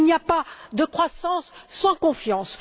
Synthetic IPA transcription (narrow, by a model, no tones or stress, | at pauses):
niapad̪əkχwasɑ̃sːɑ̃kɔ̃fjɑ̃s